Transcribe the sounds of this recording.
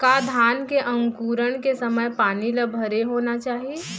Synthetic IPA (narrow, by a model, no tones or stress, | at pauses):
kaːd̪ʱaːnkeʔɐ̃ŋkuːɾəɽ̃kesɐməjpaːnilɐbʱəɾeɦoːnat͡ʃaːɦie